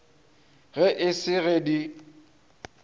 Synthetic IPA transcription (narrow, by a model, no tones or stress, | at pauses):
ɣɛʔɪsɪɣedi